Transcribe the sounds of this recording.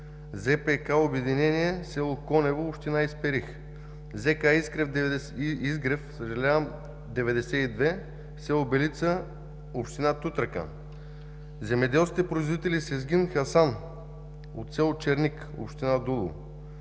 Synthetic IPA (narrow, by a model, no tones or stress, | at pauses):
zɛpɛkaobɛd̪inɛniɛsɛlˠokɔnɛvoopʃt̪inaispɛɾix | zɛkaiskɾɛfd̪izɡɾɛfsəʒɐlʲavəm | d̪ɛvɛd̪ɛsɛid̪vɛ | fsɛlˠobɛlit̪sə | opʃt̪inat̪ut̪ɾəkə̰ | zɛmɛd̪ɛlˠskʲit̪ɛpɾoizvoit̪ɛlisɛzɡʲinxɐsan | o̰t̪sɛlˠot͡ʃɛɾnik | o̰pʃt̪inad̪ulˠṵ